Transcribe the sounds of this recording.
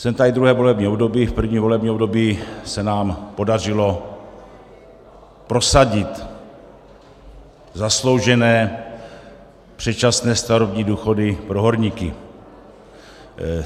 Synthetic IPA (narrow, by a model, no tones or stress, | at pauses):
sɛnt̪aid̪ɾuɦɛːvo̞lɛbɲiːobdo̞biːfpr̩vɲiːmvo̞lɛbɲiːobdo̞biːsɛnaːmpo̞dar̝ɪlo̞ | pɾo̞saɟɪt̪ | zaslo̞wʒɛnɛː | pr̥ɛt͡ʃasnɛːst̪aɾovɲiːduːxo̞dɪpɾoɦo̞ɾɲikɪ̰